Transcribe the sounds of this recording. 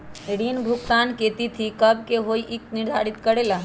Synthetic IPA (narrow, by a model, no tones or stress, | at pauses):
eɽinbʱʊkt̪aːnket̪it̪ʰikəbkeɦoiʔiknɪɾd̪ʱaɾit̪kəɽela